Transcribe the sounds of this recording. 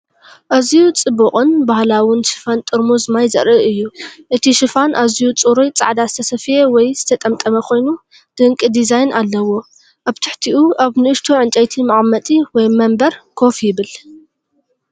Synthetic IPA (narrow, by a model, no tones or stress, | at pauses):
ʔazijut͡sʼɨbuχʼɨnbahlawʊnʃɨ̥fant̪ʼɨɾmozɨmajzɐ̰ɾʔɨʔɨjːuʔɨt̪ʰiʃɨfanʔazjut͡sʼuɾojt͡sʼa̰ʕd̪azɨt̪ʰɐsɐfjewɔjz̥ɨt̪ʰɐt̪ʼɐmt̪ʼɐmɐkʷʰo̞jnu | d̪̥ɨŋkʼɨd̪izajnʔalːɐwo̞ | ʔaβt̪ʰɨħt̪ʰiʔuʔaβnɨɨʃt̪ʰoʕɨnt͡ʃʼɐjt̪ʰimaʔʼmːɐt̪ʼiwɔjmɐmbɐɾkʰo̞fjɪβɨl